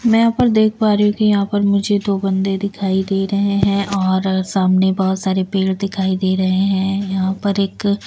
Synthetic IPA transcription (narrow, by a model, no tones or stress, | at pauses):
mɛ̃apəɾd̪eːkʰpaːɾɐɦũkijɐɦãpɐɾmʊd͡ʒʱed̪oːbɐ̃nd̪ed̪ɪkʰaːid̪eːɾɐɦeɦɛ̃ʔɔːɾsaːmnebɔɦʊt̪saːɾepeːɽd̪ɪkʰaːid̪eːɾɐɦeɦɛ̃ːjɐɦãpɐɾeːk